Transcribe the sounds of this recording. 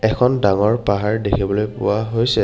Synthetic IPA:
ɛkʰɔndaŋɔɹpaɦaɹdekʰibɔlojpʊ̰waɦojsɛ

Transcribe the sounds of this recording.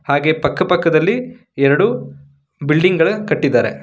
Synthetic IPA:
haːɡe̞ːpɐkːɐpɐkːɐd̪ɐlːi | ɛɾɐɽu | bilɖiŋɡɐɭukɐʈːid̪ːaːɾe̞̰

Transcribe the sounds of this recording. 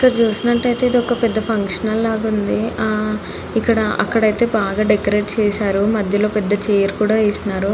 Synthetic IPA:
ikːɐɽɐt͡ʃuːsinɐʈːɐjt̪e̞ːid̪iɔkɐpɛd̪ːɐpʰɐŋkʂɐnɐlːaːɡund̪i | ikːɐɽɐɐ̰kːɐɽɐjt̪e̞ːbaːɡaːɖekːɐɾe̞ːʈt͡ʃɛːsaːɾumɐd̪ʱjɐlo̞ːpɛd̪ːɐt͡ʃeːɾkuːɽaːeːsinaːɾu

